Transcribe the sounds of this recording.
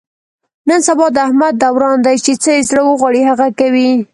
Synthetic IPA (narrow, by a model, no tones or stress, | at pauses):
nənsabɑd̪əahmad̪̚ːawɾɑnd̪ajt͡ʃet͡səezɽəwəɣwɑɽihaɣakawi